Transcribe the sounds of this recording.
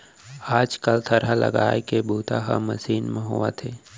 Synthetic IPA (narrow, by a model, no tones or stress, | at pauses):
aːd͡ʒkəlt̪ʰɐɾalɐ̰ɡa̰ːekebʱuːt̪aɦa̰mɐsiːnmẽɦʊat̪ʰeː